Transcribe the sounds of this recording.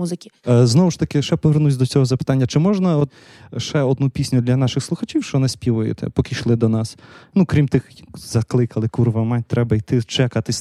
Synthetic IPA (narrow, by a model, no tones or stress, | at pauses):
uzɪkʲiznɔʋʊʃt̪ɐkɪʃɛpɔʋernusʲd̪ɔt͡sʲɔɦɔzɐpɪ̥t̪ɑnʲːɐt͡ʃɪmɔʒnɐɔ | ʃɛɔd̪nupʲisʲnʲʊd̪lʲɐnɑʃɪxslˠʊxɐt͡ʃʲiwt͡ʃɔnɪsʲpʲiʋɔjɛ̰t̪ɛ̰pɔkʲɪʃlˠɪd̪ɔnɑsnukɾʲimt̪ɪxjzɐklˠɪkɐlˠɪkurʋɐmɑnʲt̪ɾɛbɐijt̪ɪt͡ʃɛkɐt̪ɪsʲ